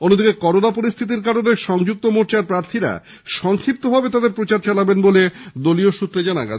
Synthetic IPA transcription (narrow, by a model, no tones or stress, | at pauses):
onod̪ikekɔɾonapoɾist̪ʰit̪̬iɾkaɾoneʃɔŋd͡ʑuk̚t̪omoɾt͡ɕaɾpɾaɾt̪ʰiɾa̰ | ʃɔŋkʰɾip̚t̪obʱabet̪ad̪eɾpɾot͡ɕaɾt͡ɕalabenboled̪olioʃut̪ːɾed͡ʑana̰ɡa̰t͡ɕʰ